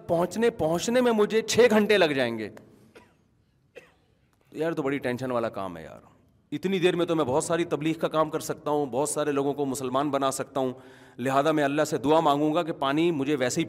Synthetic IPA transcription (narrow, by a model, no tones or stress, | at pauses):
pɐɦʊ̃t͡ʃnepɐɦʊ̃t͡ʃnemẽmʊd͡ʒʱet͡ʃʰeːɡʱɐ̃ɳʈelɐɡd͡ʒaːẽːŋɡḛː | t̪ojaːɾt̪obɐɽiʈɛ̃ːnʃənʋaːlaka̰ːmɦɛ̰ja̰ːɾ | ɪt̪nid̪eːɾmẽt̪omɛ̃bɔːt̪saːɾit̪ɐbliːɣkakaːmkɐɾsɐk̚t̪aɦũbɔːt̪saːɾeloːɡõkomʊsəlmaːnbɐnaːsɐk̚t̪aɦũlɪɦaːzamɛ̃ɐlːaɦsed̪ʊamãːŋɡũŋɡak̬epaːnimʊd͡ʒʱeʋɛːseɦi